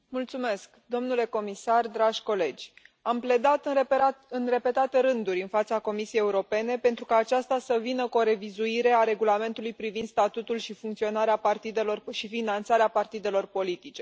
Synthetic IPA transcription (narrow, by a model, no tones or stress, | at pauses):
mult̪sume̞skd̪o̞mnule̞ko̞misard̪ɾaʒʲko̞le̞d͡ʒʲample̞d̪at̪ɨɨnre̞pe̞t̪at̪eɾɨnd̪uɾʲɨnfat̪sako̞misiejeuɾo̞pe̞ne̞pent̪ɾukaːt͡ʃast̪asəvinəkuo̞ɾe̞vizuiɾe̞aɾe̞ɡulame̞nt̪ulujpɾivind̪st̪at̪ut̪ulʃifuŋkt̪sio̞naɾeapart̪id̪e̞lo̞rʃifinant̪saɾeapart̪id̪e̞lo̞rpo̞lit̪it͡ʃe̞